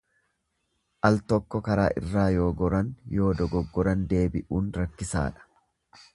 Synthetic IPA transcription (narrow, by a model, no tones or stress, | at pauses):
ʔɐlt̪ɔkːɔkɐɾa̰ːʔɪ̰rːaːjo̞ːɡɔɾɐnjo̞ːd̪ɔɡɔɡːɔɾɐnd̪e̞ːbɪʔuːnɾɐkːɪsa̰ːᶑɐ̥